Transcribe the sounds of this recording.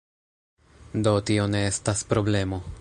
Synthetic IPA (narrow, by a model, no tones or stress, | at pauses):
d̪ot̪ioneest̪aspɾoble̞mo